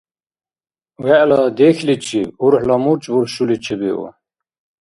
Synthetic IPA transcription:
wɛʔlad̪exʰlit͡ɕʰiuɾħlamut͡ɕʼbuɾɕulit͡ɕʰebiṵ

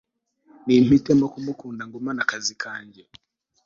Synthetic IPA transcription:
nim̥itemokumukuːndaŋɡumanakazikʰaːɲɟe

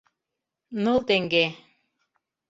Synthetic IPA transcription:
nolˠt̪eŋɡe

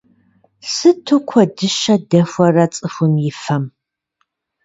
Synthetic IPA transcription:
sɨtʰokʷʰɔdɨʃɐdɐxʷɐrɐt͡sʼɨxʷʊmjɪfɐm

